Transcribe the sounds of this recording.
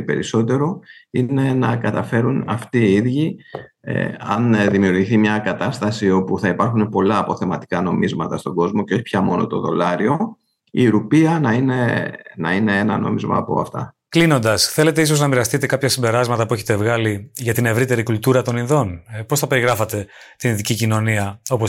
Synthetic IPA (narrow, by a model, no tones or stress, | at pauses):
pe̞ɾiso̞t̪e̞ɾo̞ine̞nɐkɐt̪ɐfe̞ɾunɐft̪iiðʝḭ | ɐ̰nðimiuɾʝiθimɲɐkɐt̪ɐst̪ɐsio̞puθɐipɐɾxunepo̞lɐːpo̞θe̞mɐt̪i̥kɐno̞mizmɐt̪ɐst̪o̞ɡo̞zmoceo̞çi̥pʰçɐmo̞no̞̰t̪o̞̰ðo̞̰lɐɾio̞ | iɾupiɐnɐinenɐine̞enɐ̰no̞̰mizmɐ̰ːpo̞̰ɐ̰ft̪ɐ̰ | klino̞nd̪ɐsθe̞le̞t̪e̞iso̞znɐmiɾɐst̪it̪e̞kɐpçɐsimbe̞ɾɐzmɐt̪ɐpue̞çet̪e̞vɣɐliʝɐt̪ine̞vɾit̪e̞ɾikult̪uɾɐt̪o̞ninðo̞npo̞sθɐpe̞ɾiɣɾɐfɐt̪e̞t̪ininðicicino̞niɐo̞po